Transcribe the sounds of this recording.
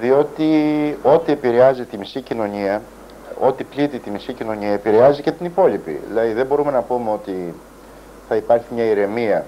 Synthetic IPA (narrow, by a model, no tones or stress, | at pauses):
ðio̞t̪io̞t̪ie̞piɾe̞ɐzit̪imisicino̞ɲiɐ | o̞t̪iplit̪it̪imisicino̞ɲiɐepiɾe̞ɐzice̞t̪inipo̞lipḭðḭlɐðiðe̞bo̞ɾume̞nɐpumeo̞t̪i | θɐipɐɾçimɲɐiɾe̞miɐ